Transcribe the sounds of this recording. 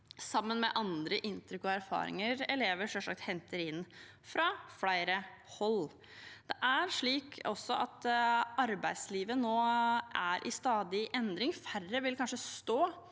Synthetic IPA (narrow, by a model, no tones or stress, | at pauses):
sɑmːənmɛʔɑnd̪ɾəʔɪnt̪ɾʏkɔæɾfɑ̰ːɾɪ̰ŋəɾɛleːʋəʂɔʂɑ̰k̚t̪hɛnt̪əɾɪnː | fɾɑflæɪɾə | hɔl | d̪̥ɛʔæɾʂɭiːkʰɔsːɔʔɑt̪ɑɾbæɪd̪sliːʋənoːʔæɾʔɪst̪ɑːd̪ɪʔɛnd̪ɾɪŋfærəʋɪlkʰɑnʂəst̪oː